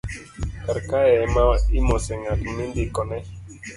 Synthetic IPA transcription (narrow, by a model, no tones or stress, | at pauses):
kaɾkaemaimɔsɛŋakmindikɔnɛ